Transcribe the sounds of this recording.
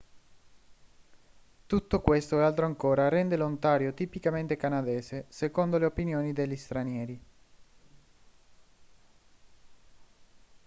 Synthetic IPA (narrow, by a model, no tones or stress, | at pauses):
t̪ut̪ːokwest̪oɛalt̪ɾoaŋkoːɾarɛnd̪elont̪aːɾjot̪ipikament̪ekanad̪ɛːsesekond̪oleopinjoːnid̪eʎːist̪ɾanjɛːɾi